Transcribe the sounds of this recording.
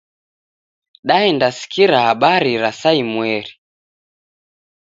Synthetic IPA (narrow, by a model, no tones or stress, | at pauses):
ɗaɛndasi̥kiɾahaɓaɾiɾasaimwɛɾi